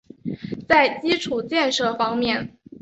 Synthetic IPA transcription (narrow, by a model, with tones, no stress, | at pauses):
t͡sa˥˩ɪt͡ɕi˥ʈ͡ʂʰu˨˩t͡ɕjɛ˥˧nʂɤ˥˩fɑ˥ŋmjɛ˥˩n